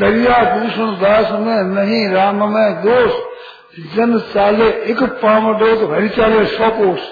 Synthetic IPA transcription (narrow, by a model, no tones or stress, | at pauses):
d̪ɐɾijaːd̪uːsəñd̪aːsmẽnɐɦĩːɾaːmmẽːd̪oːs | d͡ʒɐnsaːleɪkpaːmɖoːt̪bʱɐɾit͡ʃaːleːsɔːkoːs